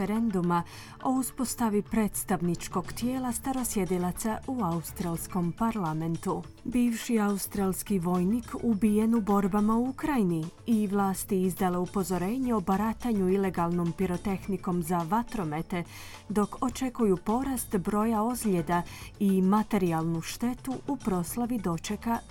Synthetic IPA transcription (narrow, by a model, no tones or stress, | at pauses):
eɾend̪uma | o̞uspo̞st̪aʋipɾe̞ːt̪st̪aʋnit͡ʃko̞ɡt̪jeːlast̪aɾo̞sje̞d̪ilˠat̪sauaust̪ɾalˠsko̞mpaɾlame̞nt̪u | biːʋʃiaust̪ɾalskiʋo̞jnikʰubije̞nubo̞ɾbamauukɾajiniiʋlˠaːst̪iizd̪ale̞upo̞zo̞ɾe̞ːɲeo̞baɾat̪aɲuile̞ɡalno̞mpiɾo̞t̪e̞xniko̞mzaʋat̪ɾo̞me̞t̪e̞ | d̪o̞ko̞t͡ʃe̞kujupo̞ɾast̪bɾo̞jaozlʎed̪aimat̪e̞ɾialˠnuʃt̪e̞t̪uʔupɾo̞slaʋid̪o̞t͡ʃe̞ka